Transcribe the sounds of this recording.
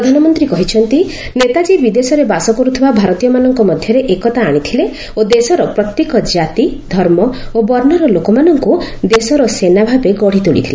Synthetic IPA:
ɾɔd̪ʱanɔmɔnt̪ɾikɔɦit͡ʃʰɔnt̪i | net̪ad͡ʒibid̪esɔɾebasɔkɔɾut̪ʰibabʱaɾɔt̪ijɔmanɔŋkɔmɔd̪ʱjɔɾeʔekɔt̪aːɽ̃it̪ʰile | od̪esɔɾɔpɾɔt̪jekɔd͡ʒat̪id̪ʱɔɾmɔobɔɾnɔɾɔlokɔmanɔŋkud̪esɔɾɔsenabʱabeɡɔɽ̤it̪uɭḭt̪ʰile

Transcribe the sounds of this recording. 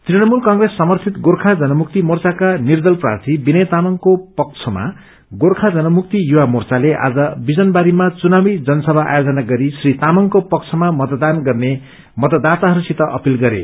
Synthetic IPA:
t̪rinʌmulkʌŋɡresːʌmʌrt̪ʰit̪ɡorkʰad͡zʌnʌmuk̚t̪imort͡sakanird̪ʌlpra̰rt̪ʰibinʌjt̪amʌŋkopʌk̚t͡sʰʌma̰ | ɡorkʰad͡zʌnʌmuk̚t̪ijuwamort͡saleʔa̰d͡zʌbid͡zʌnbaɾimat͡sunawid͡zʌnʌsʌbʱaʔa̰jod͡zʌnaɡʌɾisrit̪amʌŋkopʌk̚t͡sʰʌmamʌt̪d̪anɡʌrne | mʌt̪ʌd̪at̪aɦʌɾusit̪ʌʔʌ̰pilɡʌɾḛ

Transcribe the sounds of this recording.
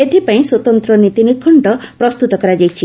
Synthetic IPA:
et̪ʰipaĩswɔt̪ɔnt̪ɾɔnit̪inikʰɔɳɖɔpɾɔst̪ut̪ɔkɔɾad͡ʒajt͡ʃʰi

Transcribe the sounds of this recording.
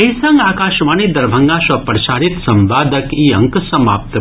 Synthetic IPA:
ɐɦisɐŋɡaːkaːʃʋaːnid̪ɐɾbʱɐŋɡaːʃʋɐpɾɐʃaːɾit̪sɐmʋaːd̪ɐkiːɐŋksɐma̰ːp̚t̪

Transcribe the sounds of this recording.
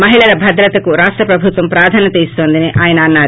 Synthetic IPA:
mɐɦiɭɐɾɐbʱɐd̪ɾɐt̪ɐkuɾaːʂʈɾɐpɾɐbʱut̪ʋɐmpɾaːd̪ʱaːnɐt̪iːst̪o̞ːnd̪ineʔaːjɐnɐːnːaːɾu

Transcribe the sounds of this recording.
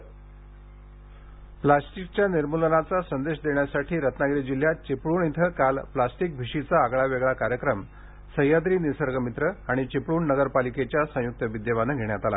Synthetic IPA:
plasʈik̚t͡ɕjaniɾmulənat͡sasənd̪eɕd̪eɳjasaʈʰiːɾət̪naɡɾid͡ʑil̤jat͡ɕipɭuːɳit̪ʰəkalplasʈik̚bʱiɕit͡saːɡɭaʋeɡɭakaɾjəkɾəm | səɦjad̪ɾiːnisəɾɡəmit̪ɾəaɽ̃it͡ɕipɭuːɳnəɡəɾpaliket͡ɕjasə̃juk̚t̪əʋid̪jeʋanəɡʱeɳjat̪ala̰

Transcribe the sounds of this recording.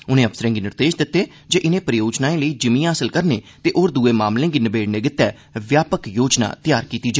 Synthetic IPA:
ʊnẽːəbsəɾẽːɡiːnɪɾd̪eːʃd̪ɪt̪ːeː | d͡ʒeːʔɪnẽːpɾəjoːd͡ʒnaːẽːləiːd͡ʒəmiːãːɦəsəlkəɾneːt̪eːʔoːɾd̪uːeːmaːmlẽːɡiːnəbeːɽneːɡɪt̪ːɛː | ʋjaːpəkjoːd͡ʒna̰ːt̪ɪjaːɾkiːt̪iːd͡ʒa

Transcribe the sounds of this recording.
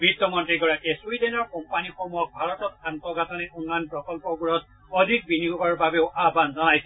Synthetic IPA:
bitːɔmɔntɹiɡɔɹakɛsujdɛnɔɹkɔmpanixɔmujɔk̚bʱaɹɔtɔtantɔɡatɔnɛʔunːɔjɔnpɹɔkɔlpɔɡuɹɔt | ɔdʱik̚biniɡɔɡɔɹbabeʊʔabanzɔnajsɛ

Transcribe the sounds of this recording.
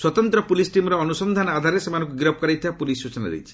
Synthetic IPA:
swɔt̪ɔnt̪ɾɔpulisʈimɔɾɔɔnusɔnd̪ʱanɔad̪ʱaɾesemanɔ̃ŋkuɡiɾɔb̚kɔɾajt̪ʰibapulisut͡ʃɔna̰d̪ḛjt͡ʃʰi̥

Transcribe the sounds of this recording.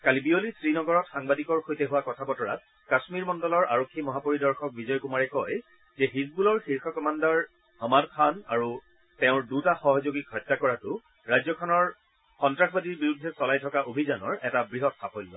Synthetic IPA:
kalibiolisɹinɔɡɔɹɔtxaŋbadikɔɹxojtɛɦuwakɔtʰabɔtɔɹa̰t̚ | kasmiɹmɔndɔlɔɹʔa̰ɹokʰːimɔɦapoɹidɔɹxɔk̚bizɔjkumaɹɛkɔj | zɛɦisbulɔɹxiɹxʰɔkɔmandaɹ | hɔmadkʰanaɹu | tɛʊ̃ɹdutaxɔɦɔzoɡikɔjtːakɔɹatʊ | ɹajzɔkʰɔnɔɹ | xɔntɹaxbadiɹbiɹudʱːɛsɔlajtʰɔkaʔobʱizanɔɹɛtabɹiɦɔtsapojlːɔ

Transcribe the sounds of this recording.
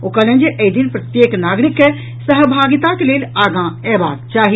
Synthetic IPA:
oːkələ̃nd͡ʒeʔəid̪inpɾət̪jeːknaːɡɾikːe | səɦbʱaːɡit̪akeleːlaːɡãɛba̰ːd̪t͡ʃaːɦi

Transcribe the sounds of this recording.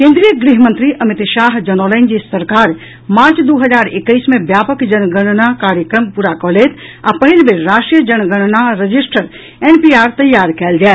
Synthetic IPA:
kẽnd̪ɾijəɡɾiɦmə̃nt̪ɾiʔəmit̪ʃaɦd͡ʒənoləɪnd͡ʒisəɾkaɾ | maɾt͡ʃd̪uɦəd͡ʒaɾekːəɪsmebjapəkd͡ʒənɡəɽ̃nakaɾjəkɾəmpuɾakɔlɛt̪ʰa̰pəɦilbeɾːasʈɾijəd͡ʒənɡəɽnaɾəd͡ʒisʈəɾ | enpiaɾt̪əjaɾkɛld͡ʒae

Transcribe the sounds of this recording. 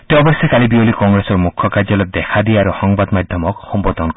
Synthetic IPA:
t̪eɔbɔsekalibiolikɔŋɡɾesɔɾmukʰːɔkaɾd͡ʒɔled̪ekʰad̪iaɾuhɔŋbad̪mad̪ʱjɔmɔkhɔmbɔd̪ʱɔn

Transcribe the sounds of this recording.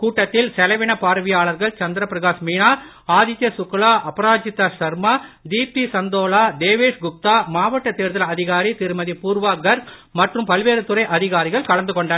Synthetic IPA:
kuːʈːɐt̪ːɪlsɛlɐʋɪɳɐpaːɾɐʋɪjaːɭɐɾɣɐɭt͡ʃɐnd̪ɪɾɐpɪɾɐɣaːsmiːɳaː | aːðɪt͡ʃːjɐsʊkːɐɭaːʔɐpɐɾaːd͡ʒɪt̪ːaːʂɐɾmaːd̪iːpːisɐnd̪oːɭaːd̪eːʋeːʂɡʊp̚t̪aːmaːʋɐʈːɐt̪ːeːɾðɐlɐðɪɣaːɾit̪ɪɾɯmɐðipuːɾʋaːɡɐɾ | mɐʈrɯmpɐlʋeːɾɯt̪ʊɾɐɪʔɐðɪɣaːɾɪɣɐɭkɐɭɐnd̪ɯkɔɳɖɐː

